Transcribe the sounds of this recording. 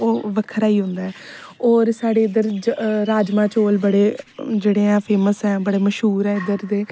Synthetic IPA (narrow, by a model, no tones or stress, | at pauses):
oːʋəkʰɾaːiːɦʊ̃nd̪aːɛːɔːɾsaːɽeːɪd̪əɾd͡ʒɾaːd͡ʒmãːt͡ʃoːlbəɽeːd͡ʒeːɽeːɛ̃ːpʰeːməsɛːbəɽeːməʃɦuːɾɛːɪd̪əɾd̪eː